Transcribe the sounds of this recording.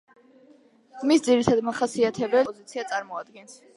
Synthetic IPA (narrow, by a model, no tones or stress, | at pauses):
misd̪ziɾit̪ʰad̪maχasiat̪ʰɛbɛɔzit̪sʰiat̪sʼaɾmɔad̪ɡɛns